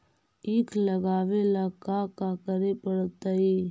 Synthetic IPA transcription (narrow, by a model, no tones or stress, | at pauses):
iːkʰləɡaːʋelakakakəɾepəɽt̪aiː